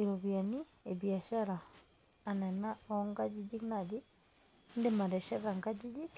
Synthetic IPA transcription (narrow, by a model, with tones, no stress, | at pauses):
i˨ɾo˨βja˨ni˦ | e˨βja˨ʃa˦ɾaː˨ | nɛ˨na˦ɔŋɡa˦d͡ʒi˦ɟi˦kna˨d͡ʒi˦ | nde˨ma˨ɾɛ˨ʃa˦ɣa˨ŋɡa˦ɟi˦d͡ʒi˦